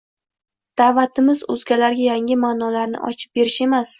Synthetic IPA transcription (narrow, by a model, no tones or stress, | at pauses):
d̪̥aːvat̪ʰɪmɪzo̰zɡʲalaɾɡʲajaŋʲɪmaːnɒlaɾnɪ̰ʔɒ̰t͡ʃʰɪ̥p̚be̞ɾɪʃe̞mas